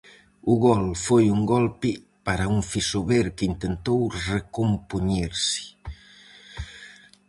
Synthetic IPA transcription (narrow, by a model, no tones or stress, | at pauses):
uɣɔlfojuŋɡɔlpi | paɾauɱfisoβeɾkint̪ent̪owrekompuɲeɾsi̥